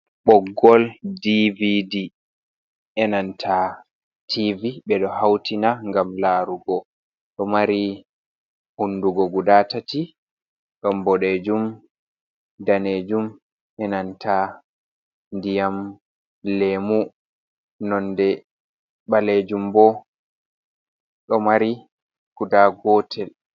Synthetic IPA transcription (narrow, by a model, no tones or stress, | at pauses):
ɓɔɡɔldividi | ʔɛnantʰa | tʰiviɓɛɗɔhawtinaŋɡamlaːɾuɡɔ | ɗɔmaɾi | hunːduɡɔɡudatati | ɗɔmbɔɗed͡ʒum | daned͡ʒum | ʔɛnantʰa | ndijam | lemu | nɔndɛ | ɓaled͡ʒumbɔ | ɗɔmaɾi | ɡ̥udaɡɔtʰɛl